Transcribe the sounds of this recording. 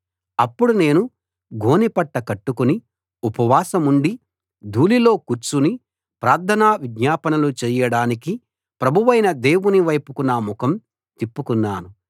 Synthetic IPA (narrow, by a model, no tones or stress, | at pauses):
ɐpːuɽune̞ːnu | ɡʱo̞ːnipɐʈːɐkɐʈːukuni | upɐʋaːsɐmuɳɖi | d̪ʱuːlilo̞ːkuɾt͡ʃuni | pɾaːɾd̪ʰʱɐnaːʋidɲaːpɐnɐlut͡ʃɛːjɐɽaːniki | pɾɐbʱuʋɐjnɐd̪e̞ːwuniʋɐjpukunːɐmukʰɐm | t̪ipːukunːaːnu